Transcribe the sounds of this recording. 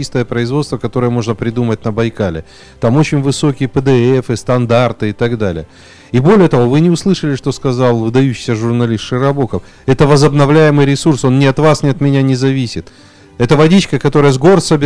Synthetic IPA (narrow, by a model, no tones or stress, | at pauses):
ist̪əjəpɾəɪzvo̞t̪st̪vəkɐt̪o̞ɾɨjəmo̞ʐnəpɾʲɪd̪umətʲnəbɐjkalʲɪ̰ | t̪amot͡ɕɪnʲvɨso̞kʲɪjəpəd̪ɨɛfɨst̪ɐnd̪art̪ɨɪt̪ɐɡd̪alʲɪ̰jə | ibo̞lʲɪjət̪ɐvo̞vɨnʲɪʊslˠɨʂəlʲɪʂt̪o̞skɐzɑlˠvɨd̪ɐjʉɕːɪ̥jsʲəʐʊrnɐlʲist̪ʂɨɾɐbo̞kəf | ɛt̪əvəzəbnɐvlʲæjɪmɨjɾʲɪsurso̞nnʲɪɐt̪vasnʲɪɐt̪mʲɪnʲanʲɪzɐvʲisʲɪt̪ | ɛt̪əvɐdʲit͡ɕkəkɐt̪o̞ɾəjəzɡo̞rsəbʲ